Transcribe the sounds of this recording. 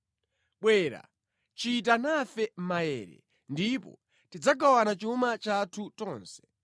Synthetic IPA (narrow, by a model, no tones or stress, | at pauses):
ɓwɛːɾa̰ | t͡ʃit̬anafɛm̩majɛ̰ːɾɛ̰ | ndipɔ̰ | tid͡zaɡawanat͡ʃumat͡ʃatʰutɔːnsɛ̥